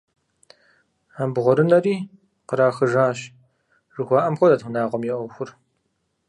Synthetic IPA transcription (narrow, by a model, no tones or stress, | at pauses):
aːbʁʷɔɾɨnɐɾiː | qəɾaːxɨʒaːɕ | ʐ̥ɨxʷaːʔɐmxʷɔdatʰʷʊnaːʁʷɔmjɛʔʷɔxʷʊr